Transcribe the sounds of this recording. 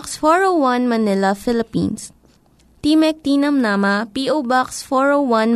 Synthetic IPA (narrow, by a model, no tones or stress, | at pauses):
ksfɔɹowwɐnmɐnɪlɐfɪlɪpḭ̃ːns | t̪imɛk̚t̪inɐmnamɐpiʔowbaksfɔɹowwɐn